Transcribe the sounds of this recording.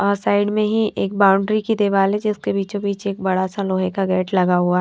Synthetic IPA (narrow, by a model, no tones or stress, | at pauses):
ɔːɾsaːɪɖmẽɦiʔeːk̚baːʊ̃ɳɖɾikid̪eʋaːlɛd͡ʒɪskebiːt͡ʃõbiːt͡ʃeːk̚bɐɽasãloːɦekaɡɛːʈlɐɡaɦuaɦ